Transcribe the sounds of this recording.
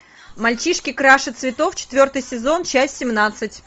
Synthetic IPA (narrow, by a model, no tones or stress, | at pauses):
mɐlʲt͡ɕiʂkʲɪkɾaʂɨt̪svʲɪt̪o̞ft͡ɕɪ̥t̪vʲo̞rt̪ɨjsʲɪzo̞nt͡ɕæsʲtʲsʲɪmnat̪sɨtʲ